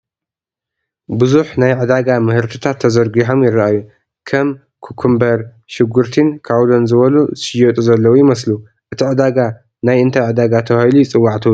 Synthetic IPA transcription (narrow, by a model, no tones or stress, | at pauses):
bɨzuħnajʕɨd̪aɡamɨhɨɾt̪ʰɨt̪ʰat̪ʰːɐzɐɾɡiħomjɪrːaʔajːu | kʰɐm | kʰukʰːumbɐɾ | ʃɪɡuɾt̪ʰinkʰawlonzɨβɐluzɨʃɪjot̪ʼuzɐlːɐwujɪmɐslu | ʔɨt̪ʰiʕɨd̪aɡa | najʔɨnt̪ʰɐʕɨd̪aɡat̪ʰɐxajlujt͡sʼɨwːaʕt̪ʰɨ